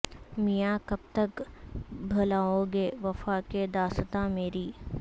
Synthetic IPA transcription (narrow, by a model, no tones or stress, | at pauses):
mijakɐb̚t̪ɐk | bʱɐlaːoɡeːʋɐfaːked̪aːst̪ameːɾiː